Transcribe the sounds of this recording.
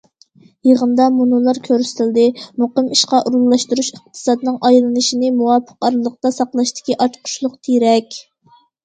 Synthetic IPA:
jəʁənd̪ɑmunulˠɑɾkʲʰøɾsɪ̥t̪ʰɪld̪ɪmoqəmiʃqɑʔuɾulˠːɑʃt̪uɾuʃəq̚t̪ʰɨ̥sɑd̪ɨnɨŋʔɑjlˠɨnɨʃinɪmuwɑpʰə̥qɑɾɨlˠəq̚t̪ɑsɑqlˠɑʃt̪ʰɪ̥kʲiʔɑt͡ʃ̪qʰʊ̥ʃlˠʊqt̪ʰeɾɛkʲ

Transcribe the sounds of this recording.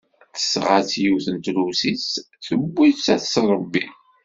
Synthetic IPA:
θə̥sʁat͡sːjuθənt̪lusis | θəbːiθt͡sæθsɾˤbːi

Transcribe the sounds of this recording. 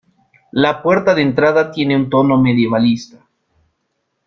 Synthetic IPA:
lapwe̞ɾt̪aðent̪ɾaðat̪jeneunt̪o̞no̞me̞ðje̞βalist̪a

